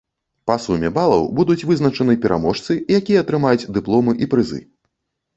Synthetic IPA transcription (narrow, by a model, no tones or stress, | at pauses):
pɐsumʲɛbalˠɐ̰wbud̪ut͡sʲvɨznɐt͡ʂɐnɨpʲɛɾʔa̰mɔʂt̪sɨjakʲijɛɐt̪ɾɨmajut͡sʲd̪ɨplˠɔmɨʔipɾɨzɨ̰